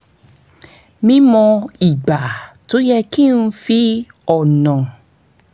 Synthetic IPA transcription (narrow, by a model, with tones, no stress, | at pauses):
mĩ˧mɔ̃˧i˨ɡ͡ba˨to˨˦jɛ˧ki˦˨n̩˧˦fi˦ | ɔ˦˨nã˨